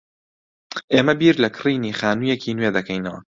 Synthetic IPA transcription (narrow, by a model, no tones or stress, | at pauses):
ʔeːmɐbiːɾlɐkʰɨ̥riːniːχaːnuːjekʰiːnweːd̪ɐkʰɐjnɐwɐ̰